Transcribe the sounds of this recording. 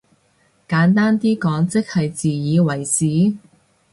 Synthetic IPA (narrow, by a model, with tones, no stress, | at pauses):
kaː˨˥nt̪aː˥nt̪iː˥kɔː˨˥ŋt͡sɪ˥k̚hɐ˨jt͡siː˨jiː˨˧wɐ˨˩jsiː˨˥